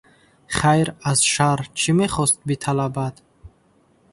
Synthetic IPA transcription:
χajɾazʃaɾt͡ʃʰimeχɔst̪̚bit̪ʰalabad̪̥

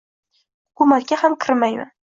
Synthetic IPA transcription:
kʰumakkʲːahamkʰɪɾmajmɪ̰

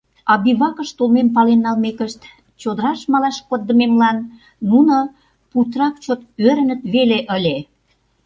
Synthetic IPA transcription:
ɑbiβɑkə̆ʃt̪olmempɑlenːɑlmekəʃt̪ | t͡ɕod̪əɾɑʃmɑlɑʃkod̪ːəmemlɑnː | uno | put̪rɑk̚t͡ɕot̪øɾə̆nə̆t̪βeleʔəlʲe

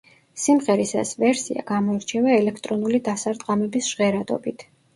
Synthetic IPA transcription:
simʁɛɾisa̰svɛɾsia̰ɡamɔiɾt͡ʃʰɛvaɛlɛkʰt̪ʼɾɔnulid̪asaɾt̪ʼqʼamɛbisʒ̥ʁɛɾad̪ɔ̰bit̪ʰ

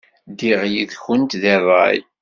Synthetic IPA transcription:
d̪iʁjiðçʊnt̪ðərˤːɑ̰j

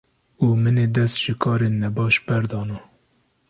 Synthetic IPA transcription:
uːmɨneːd̪ɛst̪ʒ̥ɨkʰɑːɾenːɛbɑːʃbɛɾd̪ɑːnɑ

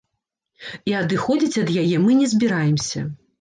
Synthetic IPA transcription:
iad̪ɨxɔd͡zʲit͡sʲɐd̪jajɛmɨnʲɛzʲbʲiɾajɛmsʲɐ̰

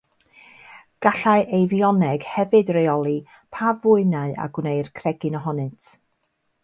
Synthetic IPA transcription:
ɡ̥aɬaɨʔejvjɔnɛɡ̥hɛvɨdrejɔlˠi | pʰavʊɨnaɨa̰ɡwnejrkʰrɛɡɨnɔɦɔnɨtʰ

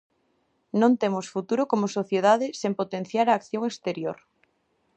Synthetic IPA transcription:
nõnt̪emosfut̪uɾokomosoθjeðaðɪsempot̪enθjaɾaːkθjoŋest̪eɾjoɾ

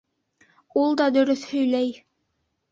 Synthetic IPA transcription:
ulˠd̪ɑd̪ɵ̆ɾɵθhɵ̆jlæj

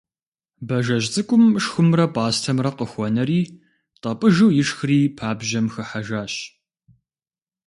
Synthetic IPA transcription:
bɐʒɐʑt͡sʼɨkʷʼʊmʂxʷʊmrɐpʼaːstʰɐmrɐqəxʷɔnɐɾiː | tʼɐpʼɨʒuwjɪʂxriːpʰaːbʒɐmxɨħaʒaːɕ

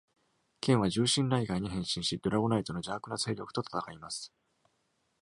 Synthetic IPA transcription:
kʰẽ̞ɰ̃β̞aʑɨːɕĩnd̪aiɡaiɲ̟iɦẽ̞ɰ̃ɕĩɰ̃ɕid̪oɾaonait̪o̞no̞d͡ʑaːkɯ̟nase̞ːɾʲjo̞kɯ̟̥t̪o̞t̪ḁt̪akaimasɨ̥

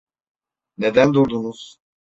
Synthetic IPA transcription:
ned̪ænd̪uɾd̪unuz̥

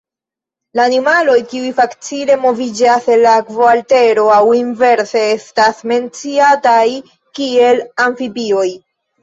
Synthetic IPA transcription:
laːnimalo̞jkiujfakt͡sile̞mo̞vid͡ʒase̞lːakvoalte̞ɾo̞awinve̞ɾse̞e̞stasme̞nt͡siataj | kie̞laɱfipio̞j

